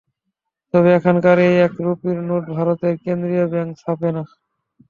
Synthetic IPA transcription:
t̪ɔβeɛkʰankaɾejɛkɾupiɾnoʈ̚bʱaɾot̪eɾkend̪ɾiabɛŋksapena

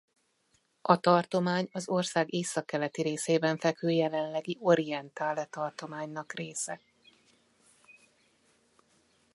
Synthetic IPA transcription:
ʔɒt̪ɒrt̪o̞maːɲɒzo̞rsaːɡeːsɒkːɛlɛt̪iɾeːseːbɛɱfɛkøːjɛlɛnlɛɡiʔo̞ɾijɛnt̪aːlɛt̪ɒrt̪o̞maːɲnɒkreːsɛ

